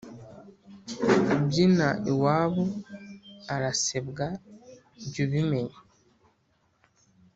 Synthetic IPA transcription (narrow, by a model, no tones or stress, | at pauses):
bɟinaʔiwaːβo | aɾasebɡa | ɟuβimeɲ